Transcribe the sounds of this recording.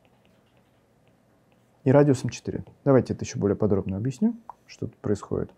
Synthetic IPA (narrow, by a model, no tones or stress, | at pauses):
iɾadʲɪosəmt͡ɕɪt̪ɨɾʲɪ̰d̪ɐvajtʲɪɛt̪əjɪɕːobo̞lʲɪjəpɐd̪ɾo̞bnəɐbjɪsʲnʲimʂt̪ot̪u̥t̪pɾəɪsxo̰dʲɪ̰t̪